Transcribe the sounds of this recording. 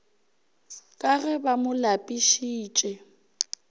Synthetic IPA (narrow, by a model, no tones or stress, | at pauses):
kʼaɣɛbamʊlapʼiʃiːt͡ʃʼɛ